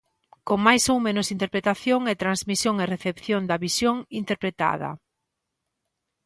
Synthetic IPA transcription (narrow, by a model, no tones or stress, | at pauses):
koŋmajsowmẽnʊsint̪eɾpɾet̪aθjoŋet̪ɾanzmisjoŋereθepθjond̪ɐβisjoŋint̪eɾpɾet̪a̰ðɐ̰